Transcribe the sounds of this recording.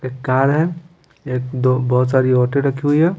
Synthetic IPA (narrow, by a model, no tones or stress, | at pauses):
eːkːaːɾɦɛ | eːkd̪oːbɔːʊt̪saːɾiɔːʈẽɾɐkʰiɦuiɦɛː